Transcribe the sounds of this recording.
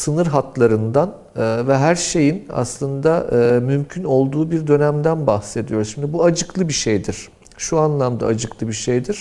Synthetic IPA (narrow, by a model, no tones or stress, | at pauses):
sɯnɯɾɦat̪lˠaɾɯnd̪an | ɯːvɛɦæɾʃe̞jina̰slˠɯnd̪aɯːmymcʰyno̞lˠd̪uːbiɾd̪ø̞næmd̪ænbaxse̞d̪ijo̞ɾusʃimd̪ibuad͡ʒɯklˠɯbiʃejd̪iɾ̥ | ʃuanlˠamd̪a̰ːd͡ʒɯklˠɯbiʃejd̪iɾ̥